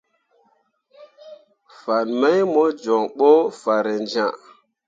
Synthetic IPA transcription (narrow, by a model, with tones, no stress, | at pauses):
fa˨nma˦jmo˦d͡ʒɔ˨ŋɓo˦fa˨ɾe˨nd͡ʒã˦˨